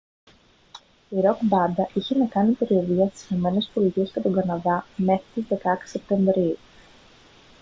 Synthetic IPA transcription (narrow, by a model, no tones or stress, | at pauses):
iɾo̞kbɐnd̪ɐʔiçe̞nɐkɐnipe̞ɾioviɐst̪i̥sino̞me̞ne̞spo̞lit̪ie̞scet̪o̞ŋɡɐnɐðɐme̞xɾit̪izðe̞kɐkse̞p̚t̪e̞ɱvɾiu